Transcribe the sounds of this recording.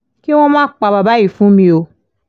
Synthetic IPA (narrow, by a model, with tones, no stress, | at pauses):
ki˦w̃ɔ̃˦mãː˦k͡pa˧ba˨ba˨˦ji˦˨fũ˦mĩ˧o˧